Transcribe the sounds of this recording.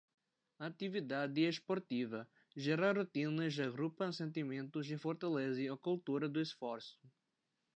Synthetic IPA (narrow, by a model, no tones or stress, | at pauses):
ɐːt̪ivid̪ad̪ɪespoɾt̪ivɐ | ʒɛɾaɾot̪ĩnɐzaɡɾupɐ̃sẽnt̪imẽnt̪ʊzd̪ɪfoɾt̪alezɪokult̪uɾɐd̪ʊesfɔɾsʊ̥